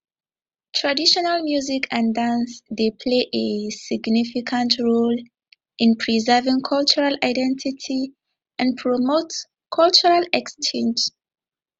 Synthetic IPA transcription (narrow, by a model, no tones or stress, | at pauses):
tʰɹadiʃɔnalmjuzikʰãndãnsdepʰleʔesiɡnifikʰãntʰɹol | ĩnpʰɹizɛvĩŋkʰɔlt͡ʃuɹalaɪdɛ̃ntʰitʰi | ãnpʰɹɔmot | kʰɔlt͡ʃuɹalɛkst͡ʃɛ̃nd͡ʒ